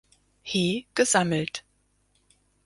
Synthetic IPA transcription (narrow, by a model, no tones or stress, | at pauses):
hiːɡ̥əzaml̩t